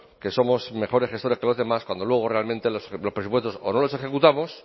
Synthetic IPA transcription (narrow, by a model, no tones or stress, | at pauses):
ke̞so̞mo̞sme̞xo̞ɾe̞sχest̪oɾe̞ske̞lo̞zðe̞maskwand̪olwe̞ɣ̞ore̞almẽnt̪e̞loslospɾesupwe̞st̪o̞so̰no̞lose̞xe̞kut̪amo̞s